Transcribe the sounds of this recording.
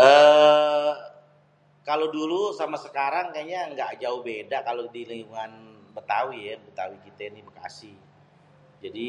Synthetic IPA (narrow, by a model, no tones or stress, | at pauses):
ʔə | kalodulusamasəkaɾaŋkaɲaŋɡaʔd͡ʒaʊhbedakalodilijuŋanbət̪awijabət̪awikit̪anibəka̰sɪh | d͡ʒadi